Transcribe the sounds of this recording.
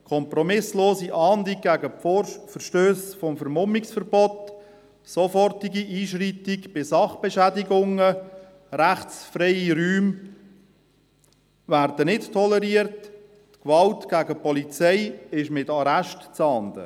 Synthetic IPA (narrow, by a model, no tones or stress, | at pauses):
kʰɔmpɾɔmɪsloːsiʔɑːndiɡ̥æɡəfəɾʃtøːsfɔmfəɾmʊmiksfəɾbɔt | sofɔrtiɡiʔiːʃritikb̥ɪsɑχb̥ɛʃædɪɡʊŋə | ɾæχt͡sfrɛɪiɾyːm | værd̥ənɪttʰːɔləɾiərtː | kʋɑltɡ̥æɡəpɔlit͡sɛɪɪʃmɪtɑɾæʃtt͡sɑːnd̪ə̰